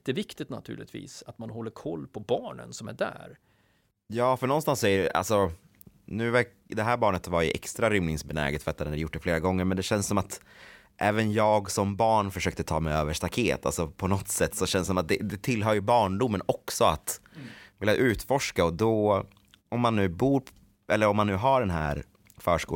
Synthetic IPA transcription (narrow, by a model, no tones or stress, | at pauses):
t̪əvɪkt̪ɪt̪na̰t̪ʰʉ̟ːɭɪ̰t̪vḭːsat̪manhɔlːəɾkʰɔlːpʰɔbɑːɳə̰nsɔmæ̰ɖæ̰ɾ | jɑːfœɳɔnst̪ansɔɛa̰lsɔ | nʉ̟ːvɛ | d̪ɛɦæːɾbɑːɳət̪vaɾjɵʔɛ̰kst̪ɾaɾʏmnɪŋsbɛnæ̰ːɡat̪fœɾat̪ːɛnd̪ɾjʊʈ̚ːɖɛfleːɾaɡɔŋːəɾmɛnd̪ɛɕɛnssɔmat̪ | ʔɛːvənjɑːɡsɔmbɑːɳfœʂøːk̚t̪ət̪ʰɑ̰ːmɛjøːvəʂt̪akʰeːt̪ʰa̰lsɔpʰɔnɔt̪sɛt̪ːsɔɕɛnsɔmat̪̚d̪ɛd̪ɛt̪ʰɪlːɦœːɾjɵbɑːɳɖʊmːənɔksɔat̪vɪljaʔʉ̟ːt̪fɔʂkaɔd̪ɔ | ɔmːanːʉ̟ːbuːɾ | ʔɛlːəɾɔmːanːʉ̟ːɦaɖɛnɦæ̰ːɾ | fœːʂkṵː